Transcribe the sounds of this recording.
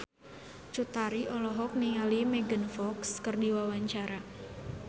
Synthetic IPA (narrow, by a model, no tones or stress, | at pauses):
t͡ʃut̪aɾiʔɔlɔɦɔk̚niŋalimɛɡənfɔkskərdiwawaɲt͡ʃaɾa